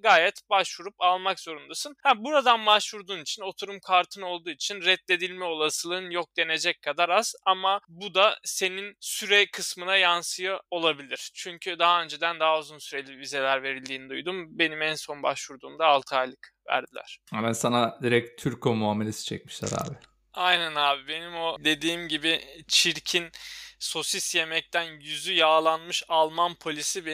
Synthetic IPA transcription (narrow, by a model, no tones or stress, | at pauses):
ɡaːjɛt̪baʃvuɾupalˠmakz̥o̞ɾund̪asɯnhabuɾad̪anbaʃvuɾd̪uːnit͡ʃʰino̞t̪ʰuɾumkʰaɾt̪ʰɯno̞lˠd̪uːit͡ʃʰinɾɛt̪lʲe̞d̪ilʲmɛo̞lˠasɯlˠɯɯnjok̚d̪e̞ne̞d͡ʒɛckʰad̪aɾaz̥amabud̪ase̞ninsyɾɛjkʰɯsmɯnajansɯjao̞lˠabilʲiɾ̥t͡ʃʰyɲcʰyd̪aɦaø̞nd͡ʒed̪ænd̪aɦauzunsyɾelʲivize̞lʲæɾve̞ɾilʲd̪iːnid̪ujd̪umbe̞nimænso̞nbaʃvuɾd̪uːmd̪aːlˠt̪ʰajlʲˠɯkvæ̰ɾd̪ilʲæ̰ɾ̥amænsanad̪iɾɛc̚t̪ʰyɾkʰomuamelʲesi̥t͡ʃʰɛ̰c̚miʃlʲæ̰ɾa̰ːbɪ | ajnænaːbibe̞nimo̞d̪e̞d̪iːmɟibɪt͡ʃʰiɾcʰinso̞sisje̞mɛc̚t̪ʰænjyzyjaːlˠanmɯʃalˠmanpʰo̞lʲisib